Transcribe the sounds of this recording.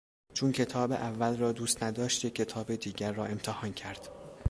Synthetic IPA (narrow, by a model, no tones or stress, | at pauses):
t͡ʃʰuːncʰe̞t̪ʰɒːbḛʔævːælrɒːd̪uːst̪næd̪ɒːʃt̪jecʰʲːe̞t̪ʰɒːbed̪iːɟæɾːɒːe̞mt̪ʰehɒːncʰæɾd̪̥